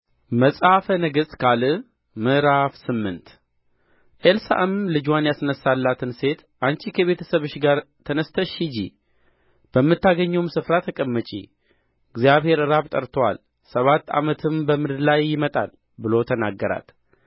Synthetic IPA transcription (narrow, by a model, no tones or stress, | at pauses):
məsʼhafənəɡɨst̪kʰalɨ | mɨɾafsɨmːɨnt̪ | ʔelsa̰ʔəmlɨd͡ʒwanjasnəsːalːat̪ʰɨnse̞t̪ʔant͡ʃikʰəβe̞t̪ʰəsəβɨʃɡaɾt̪ʰənəst̪ʰəʃid͡ʒḭ | b̥əmːɨt̪ːaɡəɲːuwmsɨfɾat̪ʰəkʼəmːət͡ʃʼḭ | ɪɡzjaβhe̞ɾɨɾaβt̪ʼəɾt̪ʰowa̰l | səβat̪ːa̰mət̪ʰɨmbəmɨd̪ɨd̪lajːɪmət̪ʼa̰l | bɨlo̞t̪ʰənaɡːəɾa̰t̪